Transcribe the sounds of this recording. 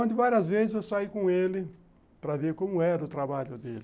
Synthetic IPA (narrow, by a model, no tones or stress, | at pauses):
õd̪ɪvaɾiɐzvezɪzewsaikõelɪ | pɾɐveɾkõmʊɛɾɐʊt̪ɾabaʎʊd̪ḛl